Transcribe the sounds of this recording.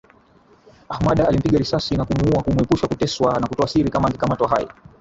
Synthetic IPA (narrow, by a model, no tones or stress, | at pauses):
ahmaɗaalim̩piɡaɾisasinakumuuakumuɛpuʃakutɛswanakutɔasiɾikamaːŋɡikamatwaɦajḭ